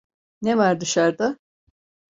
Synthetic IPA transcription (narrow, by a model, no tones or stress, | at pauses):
nevaɾd̪ɯʃaɾd̪a